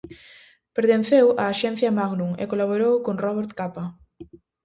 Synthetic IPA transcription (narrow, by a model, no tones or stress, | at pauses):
peɾt̪ẽn̟θewaːʃɛnθjɐmaɣnuŋḛkolaβ̞oɾowkoŋrɔβeɾt̪kapa